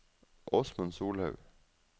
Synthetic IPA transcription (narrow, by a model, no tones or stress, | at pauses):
ʔɔsmʉnsuːlhɑʉ